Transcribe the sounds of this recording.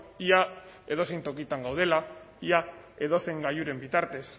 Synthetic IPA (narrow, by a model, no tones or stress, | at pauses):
iae̞ðo̞sejnt̪o̞kit̪aŋɡawð̞e̞laia | e̞ðo̞se̞ŋɡajuɾe̞mbit̪aɾt̪e̞s